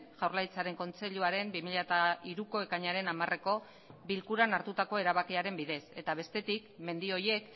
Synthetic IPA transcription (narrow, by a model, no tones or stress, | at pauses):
ʝawɾlajt͡saɾe̞ŋko̞nt͡se̞ʎuaɾe̞mbimiʎat̪aiɾuko̞e̞kaɲaɾe̞namare̞ko̞ | bilkuɾanaɾt̪ut̪ako̞eɾaβakiaɾe̞mbiðe̞se̞t̪aβ̞e̞st̪e̞t̪ikme̞nd̪io̞je̞k